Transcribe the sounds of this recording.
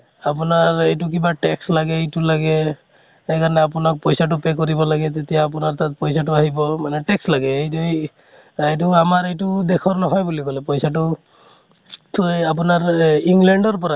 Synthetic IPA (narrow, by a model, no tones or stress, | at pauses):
ap̬ʊnaɹejtʊk̬ibaʈɛkslaɡɛejtulaɡɛ | ejkanɛap̬ʊnak̚pɔjsat̬ʊpɛkɔɹibɔlaɡɛt̪et̪ijaːp̬unaɹt̪at̪̚pɔjsatʊaɦibɔmanɛʈɛkslaɡɛejtuj | ejt̬ʊamaɹejtʊd̪ekʰɔɹnɔɦɔjbuliɡɔlɛpɔjsatʊ | tjap̬unaɹiŋlɛɳɖɔɹpɔɹa